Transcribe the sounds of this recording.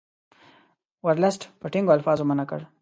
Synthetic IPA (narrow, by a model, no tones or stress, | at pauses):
waɾlasʈpəʈɪŋɡoalfɑːzomənakə̰ɽ